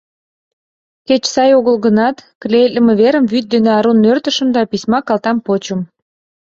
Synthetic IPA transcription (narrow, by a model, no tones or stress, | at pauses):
ket͡ɕsɑjoɣəlɣənɑt̪klʲelʲə̆meβeɾəmvyt̪̚d̪eneɑɾunːørt̪ə̆ʃə̆md̪ɑpisʲmɑkɑlt̪ɑmpot͡ɕə̆m